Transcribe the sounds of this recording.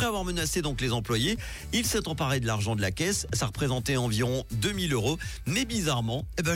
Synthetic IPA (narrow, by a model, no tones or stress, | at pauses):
χɛavwaʁmənased̪ɔ̃klezɑ̃plwaje | ilsɛt̪ɑ̃paʁed̪əlaʁʒɑ̃d̪əlakʲɛssaʁəpχezɑ̃t̪eɑ̃viʁɔ̃d̪ømiløʁo | nebizaʁmɑ̃eb